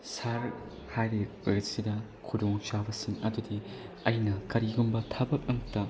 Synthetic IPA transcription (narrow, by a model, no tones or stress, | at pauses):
saɾ | hajɾi | ɾesidɐ | kʰuduŋt͡ʃabɐsiŋɐdudiɐjnɐkɐɾiɡumbɐtʰɐbɐk̚ɐŋtɐ